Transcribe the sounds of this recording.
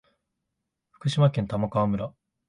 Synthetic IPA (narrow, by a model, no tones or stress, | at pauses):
ɸɯ̥kɯ̟ɕimakẽ̞nt̪amakaβːmɯ̟ɾa